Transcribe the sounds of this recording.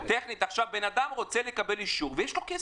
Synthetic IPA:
t̪eχnit̪aχʃavbenad̪amʁo̞t͡selekabe̞liʃuʁvejeʃlo̞ke

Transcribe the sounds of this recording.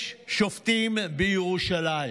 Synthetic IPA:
ʃʃoft̪iːmbioʃɐlaj

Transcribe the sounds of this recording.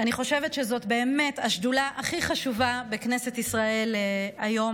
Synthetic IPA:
aniχo̞ʃe̞vetʃezo̞tbe̞ːme̞taʃdulaʔaχiχaʃuvabekne̞setisʁae̞lajo̞m

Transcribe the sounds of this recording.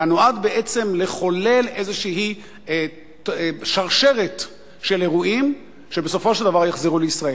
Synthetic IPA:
anoad̪be̞ʔet͡se̞mle̞χo̞le̞le̞zeʃiɦi | ʃaʁʃe̞ʁet̪ | ʃe̞le̞ʁuim | ʃebeso̞fo̞ʃeld̪avaʁjaχziʁuleisʁae

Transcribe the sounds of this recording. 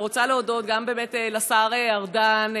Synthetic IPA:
ʁot͡saleodo̞t̪̚ɡambe̞ːmetelasaʁeaʁdan

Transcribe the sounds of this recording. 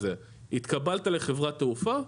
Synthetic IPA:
e | it̪kabalt̪ale̞χevʁat̪eufa

